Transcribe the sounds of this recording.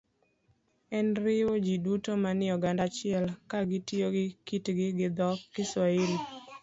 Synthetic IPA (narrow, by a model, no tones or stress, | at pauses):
ɛnɾɪod͡ʒidutomanɪɔɡandat͡ʃɪɛlkaɡɪtjoɡɪkitɡɪɡɪd̪ɔkːɪswaɪli